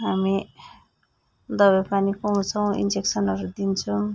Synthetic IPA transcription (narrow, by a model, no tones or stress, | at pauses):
ɦami | d̪ʌbʌpanikoɦũt͡sʰʌw̃ḭnd͡zeksʌnʌɾud̪int͡sʰu